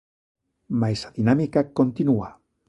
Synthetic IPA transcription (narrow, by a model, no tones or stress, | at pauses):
majsaðinamikakont̪inua